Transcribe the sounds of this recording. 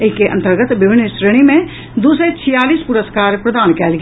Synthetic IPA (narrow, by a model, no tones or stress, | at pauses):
ekːeʔə̃nt̪əɾɡət̪ʋɪbʱɪnːsɾəɽ̃imẽ | d̪uːset͡ʃʰɪjaːliːspʊɾəskaːɾpɾəd̪aːnkɛːlɡ